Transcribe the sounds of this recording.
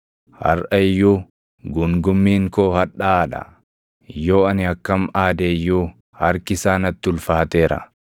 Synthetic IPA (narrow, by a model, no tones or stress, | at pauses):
hɐ̰ɾʔɐɪjːuː | ɡʊŋɡʊmːiːŋkoːhɐᶑːaːᶑɐ̰ | jo̞ːɐnɪɐkːɐmaːd̪eːjːuː | hɐɾkɪsaːnɐt̪ːɪʊlfaːt̪eːɾɐ̰